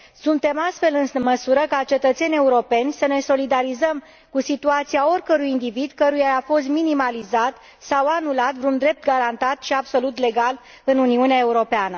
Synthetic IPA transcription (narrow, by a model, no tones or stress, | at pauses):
sunt̪e̞mast̪fe̞lɨnməsuɾəkat͡ʃe̞t̪ət̪se̞nʲe̞uɾo̞pe̞nʲsəne̞so̞lid̪aɾizəm | kusit̪uat̪siao̞rʲkəɾujind̪ivid̪kəɾujaafo̞st̪minimalizat̪ | sawanulat̪vɾund̪ɾe̞p̚t̪ɡaɾant̪at̪ʃiabso̞lut̪le̞ɡal | ɨnuniuneae̞uɾo̞peanə